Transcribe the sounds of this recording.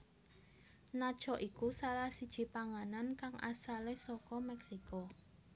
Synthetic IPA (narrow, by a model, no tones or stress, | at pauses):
nad̥ʒ̥ɔʔikusalahsid̥ʒ̥i̤paŋanankaŋʔa̰salesɔkɔmɛksiko